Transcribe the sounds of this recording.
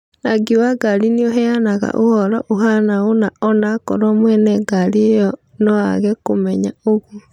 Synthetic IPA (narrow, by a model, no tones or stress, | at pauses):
naɡiwaɡaɾinioɦɛanaɣa̰ʔohɔɾɔʔoɦanaonaɔnakɔ̰ɾɔmwɛnɛɡaɾiejɔ | nɔa̰ɣɛkomɛɲaoɣwo